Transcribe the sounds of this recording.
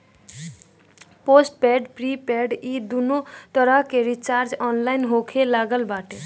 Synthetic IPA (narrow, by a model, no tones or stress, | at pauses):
posʈpeɖpɾipeɖid̪unot̪əɾəɦkeɾit͡ʃaɾd͡ʒɔnlajnɦokʰelaɡəlbaʈe